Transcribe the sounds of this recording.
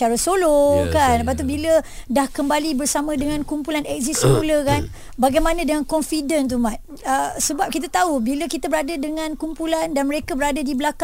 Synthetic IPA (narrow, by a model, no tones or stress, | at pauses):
aɾasolokanəpat̪̬ubilədahkəmbalibərsamə̃dəŋãnkumpulanɛk̚zisəkpuləkan | baɡajmãnə̃dəŋankɔnfidənt̪̬umat̪̚ | əsəbap̚kit̪̬at̪aubiləkit̪abəɾadədəŋãnkumpulandanməɾekabəɾadədibəlaka